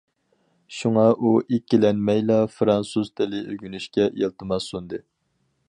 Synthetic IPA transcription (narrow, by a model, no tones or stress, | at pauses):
ʃuŋɑʔuʔikʲːilɛnmɛjlˠɑfɾɑnsuz̥t̪ʰɪlɪʔøɡʲynyʃkʲɛelˠt̪ɨmɑsund̪ɨ